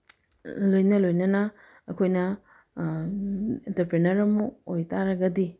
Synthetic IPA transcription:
lojnɐlojnɐnɐ | ɐkʰojnɐ | intɐɾpɾenɐɾɐmuojtʰaɾɐɡɐdi

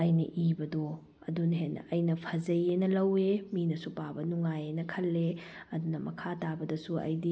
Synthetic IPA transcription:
ɐjnɐʔibɐdo | ɐ̰dunɦen̰ɐjnɐpʰɐzɐjenɐlɐweminɐsupabɐnuŋajenɐkʰɐlːeɐdunɐmɐkʰatabɐdɐsuɐ̰jdi

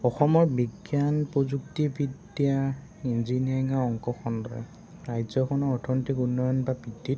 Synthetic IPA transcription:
ɔxɔmɔɹbiɡjanpɹozuk̚tibid | ia | inziniaiŋaɔŋkɔxɔndɔ̰ | ɹajzɔkʰɔnɔɔtʰɔnitikunːɔjɔnbabʱidːit

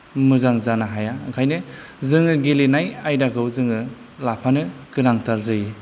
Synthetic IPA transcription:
mɯzaŋzanaɦajakʰajnɯ | zɯŋɯɡelinajajdakʰɯwzɯŋɯ | lapʰanɯkɯnaŋtaɾzɯji

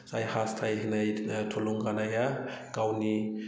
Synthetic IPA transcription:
sajhast̪ʰajɦinajt̪ʰoluŋɡanajaɡ̥awni

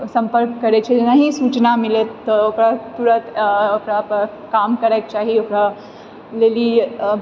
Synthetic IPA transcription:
səmpəɾkkəɾet͡ɕʰed͡ʒenaɦisuːt͡ʃnamilet̪ːɔokɽat̪uɽət̪okɽa | kamkəɾajk̚t͡ʃaɦiokɽa | leliː

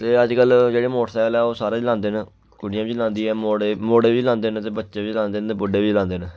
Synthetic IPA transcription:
t̪eːəd͡ʒkəld͡ʒeːɽeːmoːʈsaːəlɛːoːsaːɾãːd͡ʒlãːnd̪eːne | kʊɽɪjãːʋit͡ʃlãːnd̪iːɛːmoːɽeːmoːɽeːʋiːlãːnd̪eːnt̪eːbətːʃeːʋiːt͡ʃlãːnd̪eːnt̪eːbʊɖeːʋiːt͡ʃlãːnd̪eːnː

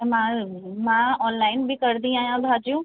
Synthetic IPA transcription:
mãmãɔːnlaːɪnbʱikɐɾd̪ĩaːjãb̪ʱaːd͡ʒjũ

